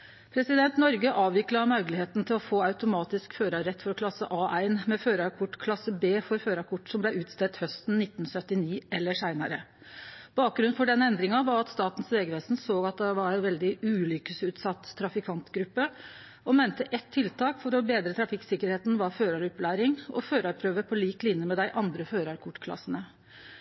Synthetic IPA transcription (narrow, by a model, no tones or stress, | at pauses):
pʰɾɛsɪd̪ɛnt̪nɔɾɡəʔɑːʋʋɪklɑmœʉɡəlɪheːt̪n̩t̪ʰɪlɔfoːɑʉt̪ʊmɑːt̪ɪskføːɾəɾɛt̪ːfɔɾɔkʰlɑsːəʔɑːʔæɪnmɛføːɾəɾkʰʊʈːkʰlɑsːəbeːfɔɾføːɾɑkʰʊʈːsɔmblæɪʉːt̪st̪ɛt̪hœst̪n̩nɪt̪ːn̩sœt̪ːɪniːɛlːəʂæɪnɑɾə | b̥ɑːk̚ɡɾʉnfɔɖɛnːəɛnd̪ɾɪŋɑʋɑɾɑt̪st̪ɑːt̪n̩sʋeːɡəʋeːsn̩soːɡɑt̪̚d̪ɛʋɑɾɛnʋɛld̪ɪʉːlʏkəsʉːt̪sɑt̪ʰːɾɑfɪkʰɑnt̪ɡɾʉpːə | ɔmænt̪əʔɛt̪ʰːɪlt̪ʰɑːkfɔɾɔbeːd̪ɾət̪ʰɾɑfɪksɪkəɾheːt̪n̩ʋɑɾføːɾɑɾɔplæɪɾɪŋɔ̰føːɾɑɾpʰɾøːʋəpʰɔliːklɪnjəmɛd̪æɪʔɑnd̪ɾəføːɾɑɾkʰʊʈːkʰlɑ̰sːənə